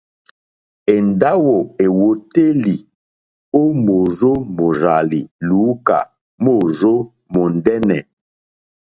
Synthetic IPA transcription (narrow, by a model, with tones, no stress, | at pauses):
e˨nda˦wo˨e˨wo˨te˦li˨ | o˦mo˨zo˦mo˨ɾa˨li˨lu˨˦ka̰˨ | mo˦˨zo˦ | mo˨n˨dɛ˦nɛ˨